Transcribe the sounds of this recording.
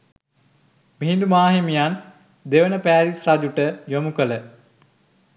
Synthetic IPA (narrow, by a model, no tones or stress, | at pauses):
miɦind̪umaːɦimijan | d̪eʋənəpæːɾisrad͡ʒuʈəd͡ʒomukələ